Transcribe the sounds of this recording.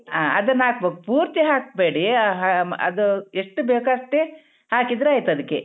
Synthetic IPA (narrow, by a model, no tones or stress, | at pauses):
aːɐ̰d̪ɐnːaːk̚bekupuːɾt̪iɦaːk̚beːɽiɦaɐ̰d̪ueʂʈːubeːkɐʂʈe | haːkid̪ɾeaːjt̪uɐd̪ɐkːe